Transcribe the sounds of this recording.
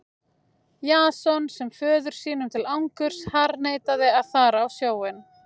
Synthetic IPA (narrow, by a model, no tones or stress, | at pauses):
jaːsɔnsɛmfœːðʏɾ̥siːnʏmt̪ʰɪlawŋkʏɾ̥shaɾneːjt̪aðɪaðθaːɾaːwsjaːwɪn